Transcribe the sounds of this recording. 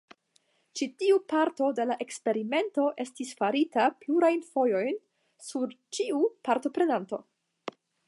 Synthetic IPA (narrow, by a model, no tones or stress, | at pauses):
t͡ʃitiupaɾto̞de̞laʔe̞kspe̞ɾime̞nto̞ʔe̞stisfaɾitapluɾajnfo̞jo̞jn | suɾt͡ʃiupaɾto̞pɾe̞nanto̞̰